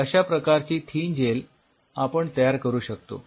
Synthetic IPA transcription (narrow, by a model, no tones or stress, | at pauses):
əɕapɾəkaɾt͡ɕiːt̪ʰiːnd͡ʑel | apəɳt̪əjaɾkəɾuːɕək̚t̪o̰